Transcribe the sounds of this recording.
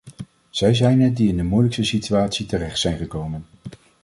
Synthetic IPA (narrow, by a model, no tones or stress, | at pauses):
z̥ɛjzɛjnɛdiɪndəmujləkstəsityaːtsitərɛχtsɛjnχəkowmən